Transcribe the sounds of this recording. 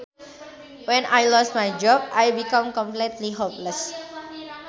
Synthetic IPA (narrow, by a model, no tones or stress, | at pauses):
wɛ̃najlɔst̚majd͡ʒɔb̚ajbikãmkɔ̃mplitliɦopləs